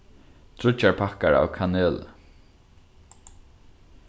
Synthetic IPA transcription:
t̪ʰɾʊt͡ʃːaɹpʰakaɹa̰ːwkʰaneːl

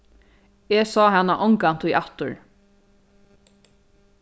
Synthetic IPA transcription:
ɛsɔːɦanːaʔɔŋkant̪ʰʊjʔaht̪ʊɹ

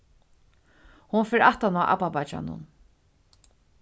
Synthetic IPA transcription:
hʊnfɛːɾaht̪anaːʔa̰papat͡ʃa̰nʊ̰n

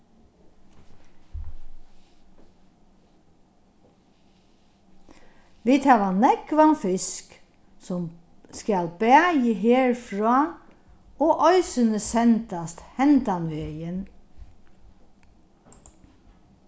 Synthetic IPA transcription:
ʋiːt̪ʰæːʋɑnɛkʋɑnfɪsk | sʊm | skɑlbæːjəɦeːɹfɹɑː | oːʔœʏsənəsɛnt̪ɑst̪hɛnt̪ɑnʋejən

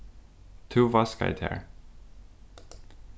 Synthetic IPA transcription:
t̪ʰuːvaska̰ɪt̪hɛ̰ɹ

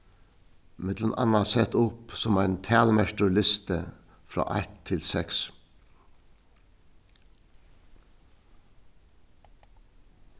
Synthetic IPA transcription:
mɛd̪lənʔɑ̰nɑsɛt̪ʊpsɔmæɪnt̪ʰæːlmæʃt̪ʊlɪst̪ə | fɾɑ̰ːʔæ̰t̪ʰːɪlsɛks

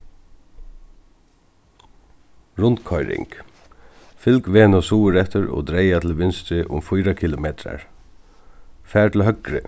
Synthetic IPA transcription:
ɹʊnt̪kʰɔjɾɪ̰ŋk | fɪlkʋeːnɔsuːəɾɛt̪ʏɹo̰ːd̪ɾejat̪ʰɪlʋɪnst̪ɾɪʔʊ̰mfʊjɾakʰɪlʊmeːt̪ɾa̰ɹ | fæːʈʰɪlɦœkɾɪ̰

